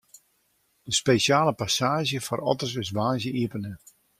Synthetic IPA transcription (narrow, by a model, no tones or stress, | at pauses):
d̥əspeʃjaːləpasaːʒjəfɔrɔ̰tərs̬ɪs̬ʋaːʒjəʔiəpənə